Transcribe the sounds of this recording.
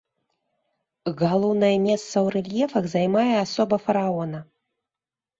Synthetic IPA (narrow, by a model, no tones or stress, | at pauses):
ɣalˠɔwnɐjɛmʲɛst̪sɐwrɛlʲjɛfɐɣzajmajɛasɔbɐfɐɾaɔnɐ